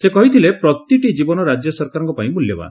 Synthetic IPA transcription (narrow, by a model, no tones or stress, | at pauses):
sekɔɦit̪ʰilepɾɔt̪iʈid͡ʒibɔnɔɾad͡ʒjɔsɔɾkaɾɔŋkɔpaĩmuljɔba̰